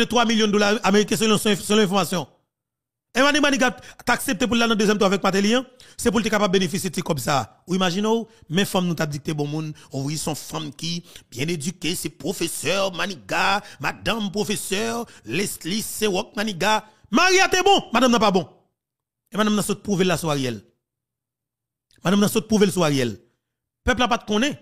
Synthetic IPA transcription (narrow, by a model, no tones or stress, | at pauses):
et̪ʁwamiljɔ̃d̪olaameʁikɛ̃s̬l̃ssɛlɔ̃ɛ̃fɔʁmasjɔ̃ | emanĩmanĩɡat̪aːksep̚t̪ep̬ulːanɐ̃d̪øzjɛmt̪̬wavɛk̚mat̪̬elĩɐ̃sep̬ult̪̬ekapabːenefisjet̪ikɔbsaː | uimaʒinowmɛ̃fɐ̃mnũt̪ap̚d͡zik̚t̪ebɔ̃mũnovujisɔ̃fɐ̃mkibjɛ̃ned͡zykesɛpʁofesœʁmanĩɡamad̪ãmpʁofesœʁlɛst̪lisewɔk̚manĩɡa | maʁiat̪ebɔ̃madãmnɐ̃pabɔ̃ | emadãmnɐ̃sot̪̚pʁuvelːasuaʁejɛl | madãmnɐ̃sot̪̚pʁuvelsuaʁjɛl | pɛplapat̪̚kɔ̃nɛ̃